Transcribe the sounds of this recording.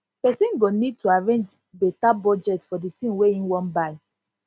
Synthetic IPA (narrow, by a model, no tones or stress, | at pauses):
pɛsĩnɡonid̚tʰuaɹẽnd͡ʒ | betabɔd͡ʒɛtfɔditĩmweĩwɔ̃nbaɪ